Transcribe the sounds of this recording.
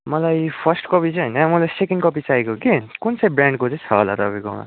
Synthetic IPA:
mʌlajpʰʌrsʈkʌpit͡sʌɦʌjnʌmʌlasekinkʌp̬isajkokekunt͡sʌjbraɳɖkot͡sʌ̃t͡sʰʌɦola̰ɾʌbikʌ̰wna̰

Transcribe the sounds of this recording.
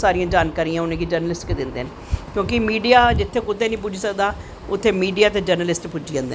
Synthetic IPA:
saːɾiːãːd͡ʒaːnkaːɾiːãːʊnẽːɡid͡ʒəɾnəlɪsʈkd̪ɪnd̪ḛːne | kjõːkɪmiːɖijaːd͡ʒɪt̪ʰːeːkʊd̪eːnĩːp̬ʊd͡ʒiːsəkd̪aː | ʊt̪ʰːeːmiːɖijaːt̪eːd͡ʒəɾnəlɪsʈpʊd͡ʒiːã̰ːnd̪ḛ

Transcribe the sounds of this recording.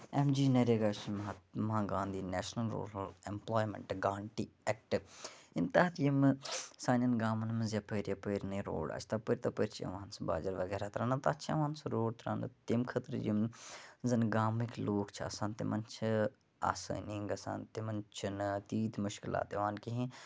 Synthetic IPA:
emd͡ʒiːnɐɾeɡaːt͡ʃimmãːɡãːnd̪iːnɛːʃnɐlɾṵːɾɐlemploːjmḛɳʈɡaːɳʈiɛk̚ʈɨint̪ɐt̪d͡ʒimsaːnɐnɡaːmɐnmɨzjɐpəɾjɐpəɾnɨɾo̰ːɽa̰ːt͡ʃʰt̪ɐpəɾʲt̪ɐpəɾt͡ʃʰiɐ̰ʋaːnsba̰ːd͡ʒɐɾʋɐɡɛːɾat̪ɾãːnɐt̪at͡ʃʰɐ̰ʋãːnsɐɾoːɽt̪ɾa̰ːnɨt̪imkʰət̪ɾd͡ʒimzɐnɡaːmikloːkt͡ʃʰiɐ̰sãːnt̪ḭmɐnt͡ʃʰi | a̰ːsə̰ːniŋɡɐsã̰ːnt̪imɐnt͡ʃʰinɨt̪iːt̪mʊʃkɪla̰ːt̪iʋaːnkiɦĩ

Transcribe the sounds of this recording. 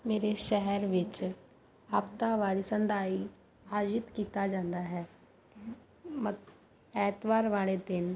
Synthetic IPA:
meːɾeʃɛɦɛɾʋɪt͡ʃ | aːpt̪aʋaːlisə̃nd̪aːi | aːd͡ʒɪt̪kiːt̪ad͡ʒãːnd̪aɦɛː | mə | ɛːt̪ʋaːɾʋaːled̪ɪn

